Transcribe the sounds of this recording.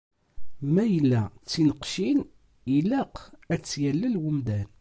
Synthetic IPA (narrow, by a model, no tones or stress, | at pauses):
mæjəlːæt͡sːinəqʃin | ilæqæt͡sːjælːəlwumd̪æn